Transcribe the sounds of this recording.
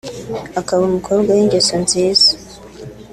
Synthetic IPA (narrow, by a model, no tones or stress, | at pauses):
akaβumukʰobɡwawiŋɡesonziːz̥ḁ